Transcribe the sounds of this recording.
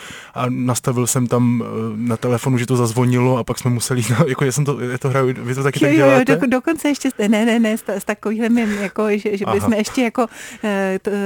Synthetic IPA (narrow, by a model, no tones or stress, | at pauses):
ʔanast̪avɪlsɛmt̪amnat̪ɛlɛfo̞nuʒɛt̪ozazvo̞ɲɪloapaksmɛmusɛlɪznaːt̪jakojasɛmt̪ojat̪oɦɾajuvɪt̪ot̪akɪt̪aoɡjɛjododokont͡sɛɛʃcɛɛnɛnɛnɛst̪ast̪akoviːɦlɛmɪmjakoʒɛʒɛbɪsmɛɛʃcɛjako̞